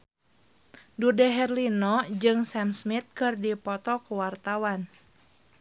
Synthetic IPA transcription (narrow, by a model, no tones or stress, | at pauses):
dudɛɦɛrlinɔd͡ʒɨŋsamsmit̪̚kɨrdipɔt̪ɔkuwart̪awan